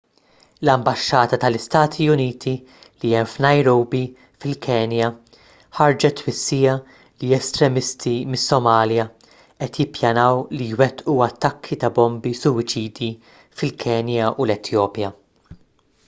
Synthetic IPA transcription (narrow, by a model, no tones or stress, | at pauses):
lɐmbɐʃːɐːt̪ɐt̪ɐlɪst̪ɐːt̪ʰiʊniːt̪ʰi | liɛmfnɐjɾowbi | fɪlkʰɛːnjɐ | ħɐɾd͡ʒɛt̪ːwɪsːijɐ | liɛst̪ɾɛmɪst̪ʰimɪsːɔmɐːljɐ | ʔɛt̪jɪpːjɐnɐwlijwɛt̪ʔuɐt̪ːɐkʰːit̪ɐbɔmbisʊwɪt͡ʃiːd̪i | fɪlkʰɛːnjɐʔulɛt̪ʰjɔːpjɐ